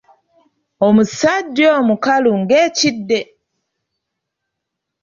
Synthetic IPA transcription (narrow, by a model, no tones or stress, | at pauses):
omusaɟːoːmukaluŋɡeːcidːe